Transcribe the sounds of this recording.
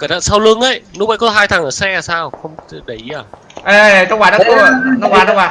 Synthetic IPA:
ka˨˩a̰ː˧˨˩saː˧wlɨ˧əŋʔə˧˦jnu˦˥ɓə̰˧˨kɔ˨˦ɦaː˧jt̪ʰaː˨˩ŋʔəː˧˩sɛ˧a˨˩saː˧wxə˧wŋ͡mɗə˨˩˦jaː˨˩ʔə˧˩˨tŋ͡mkwaː˧˩nɔ˨˧˥ɔ˧kwaː˨˩tɔ˧kwaː˨˩˦

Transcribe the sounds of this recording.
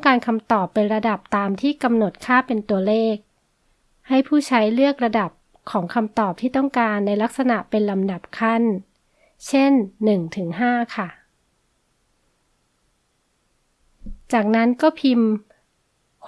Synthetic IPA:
ŋkaː˧nkʰa˧mt̪ɔː˨˩pːe˧nɾa˧da˨˩p̚t̪aː˧mt̪ʰiː˥˩ka˧mno˨˩t̪̚kʰaː˥˩pe˧nt̪u˧ɐleː˥˩k̚ | ha˥˩jpʰuː˥˩t͡ɕʰa˦˥jlɯ˥˩ək̚ɾa˧da˨˩p̚ | kʰɔː˩˦ŋkʰa˧mt̪ɔː˨˩p̚t̪ʰiː˥˩t̪ɔ˥˩ŋkaː˧nːa˧jla˦˥k̚sa˧na˨˩ʔpe˧nla˧mda˨˩p̚kʰa˥˩n | t͡ɕʰe˥˩nːɯ˨˩ŋt̪ʰɯ˩˦ŋɦaː˥˩kʰa˥˩ | t͡ɕaː˨˩k̚na˦˥nkɔː˥˩pʰi˧m

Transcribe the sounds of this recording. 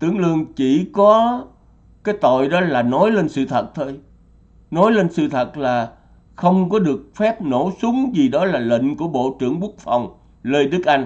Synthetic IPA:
t̪ɨ˧˩əŋlɨ˧əŋt͡ɕi˧˩kɔ˨˦ | kaː˨˦jt̪o̰˧˨jɗɔ˨˦laː˨˩nɔ˨˦jle˧nsɨ˧t̪ʰə˨˩t̚t̪ʰo˧j | nɔ˨˦jle˧nsɨ˧t̪ʰə˨˩t̚laː˨˩ | xə˧wŋ͡mkɔ˨˦ɗɨ˨˩ək̚fɛ˦˥p̚no˧˩sʊ˨˦ŋ͡mzi˨˩ɗɔ˨˦laː˨˩lḭ˧˨ŋ̟ku˧˩əɓo̰˧˨t͡ɕɨ̰˧˩əŋɓu˦˥ək̚fa˨˩wŋ͡m | ləː˧jɗɨ˦˥k̚ʔa˧jŋ̟

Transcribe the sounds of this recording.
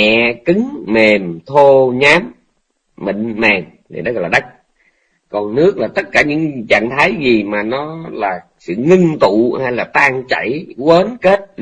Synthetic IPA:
ɛ̰˧˨kɨ˨˦ŋme˨˩mt̪ʰo˧ɲaː˨˦mː | ḭ˧˨ŋ̟mɛ˨˩mt̪ʰi˨˩nɗɔ˨˦ɣɔ˧˨˩laː˨ɗa˦˥jk̚ | kɔ˨˩nnɨ˦˥ək̚laː˨˩t̪ə˦˥t̚kaː˧˩ɲɨ̰˧˥ŋt͡ɕa̰˧˨ŋt̪ʰa˨˦jzi˨˩maː˨˩nɔ˨˦laː˨˩ | sɨ̰˧˨ŋɨ˧ŋt̪ṵ˧˨haː˧jlaː˨˩t̪aː˧ŋt͡ɕa̰˧˩˨jwəː˨˦nke˦˥t̚

